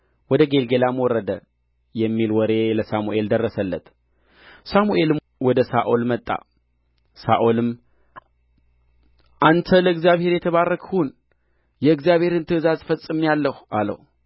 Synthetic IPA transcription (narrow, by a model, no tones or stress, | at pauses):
wɔd̪əɡe̞lɡelamwɔrːəd̪ə | jɛmːilwɔɾe̞ləsamuʔe̞ld̪ərːəsəlːə̰t̪ | samuʔe̞lɨ | wɔd̪əsaʔolmət̪ʼːa̰ | saʔolɨm | ʔant̪ʰələɨɡzjaβhe̞ɾjɛt̪ʰəβarːəkʰhun | jɛɨɡzjaβhe̞ɾɨnt̪ʰɨzazfəsʼːɨmjalːəhʔalə̰hu